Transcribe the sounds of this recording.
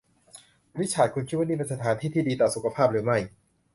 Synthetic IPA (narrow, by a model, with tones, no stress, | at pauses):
wi˦˥t͡ɕʰaː˨˩t̪̚kʰu˧nkʰːt̪̚waː˥˩niː˥˩pe˧sa˧t̪ʰaː˩˨˦nt̪ʰiː˥˩iː˥˩diː˧t̪ɔː˨˩su˨˩kʰa˧pʰaː˥˩p̚ɾɯː˩˦ma˥˩j